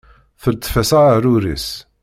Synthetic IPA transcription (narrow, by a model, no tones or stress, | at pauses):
θəɾt̪ːfæsaɾuɾḭs